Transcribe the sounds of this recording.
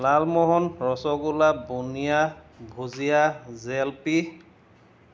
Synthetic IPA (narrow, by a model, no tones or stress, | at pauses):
lalmɔɦɔnɹɔsɔɡulabonija | bʱozijazɛlpi